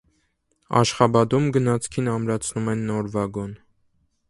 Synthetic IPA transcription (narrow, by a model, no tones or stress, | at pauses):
ɑ̰ʃχɑbɑd̪umɡənɑt͡sʰkʰinɑmɾɑt͡sʰnumɛnːɔɾvɑɡɔn